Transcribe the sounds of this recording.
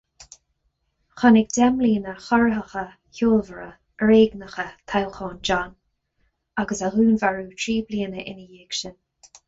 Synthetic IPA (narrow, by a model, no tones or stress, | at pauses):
xɔnɪɡd̪ɛmliːnəxɔɹəɦəxə | çoːlvəɹə̰ | ɹeːɡnəxət̪ʰawxɔːnd͡ʒan | aɡəsaɦuːnvaɹuːtʰɹiːbliːənəʔɪnəjeːɡʃɪn